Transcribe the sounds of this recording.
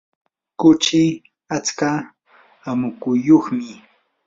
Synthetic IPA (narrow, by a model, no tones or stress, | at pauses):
kʊt͡ʃɪ | at͡ska | amʊkʊjːoχmɪ